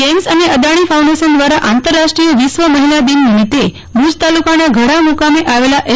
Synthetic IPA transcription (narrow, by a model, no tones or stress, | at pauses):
emsəneəd̪aɽ̃ifauw̃ɳɖeɕənd̪ʋaɾaʔant̪əɾːaʂʈɾijəʋisʋəməɦilad̪inmit̪e | bud͡ʒt̪alukanaɡʱəɽamukameʔaʋelaʔe